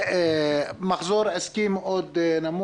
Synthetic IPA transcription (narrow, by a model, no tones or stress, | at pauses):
maxzuːɾˤʕaskiːmʔoːd̪namu